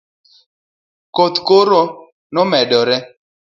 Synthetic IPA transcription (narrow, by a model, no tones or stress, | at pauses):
kot̪koɾo | nɔmɛdɔɾɛ